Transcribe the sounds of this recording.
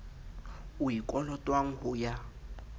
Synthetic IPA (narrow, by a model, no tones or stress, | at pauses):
ʊikʼɔlɔtʼwaŋ̩ɦʊja